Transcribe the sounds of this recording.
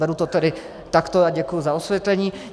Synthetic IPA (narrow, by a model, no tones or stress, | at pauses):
ɛɾut̪ɔt̪ɛdɪ | t̪akt̪oaɟɛkujuzaosʋʲjɛt̪lɛɲiː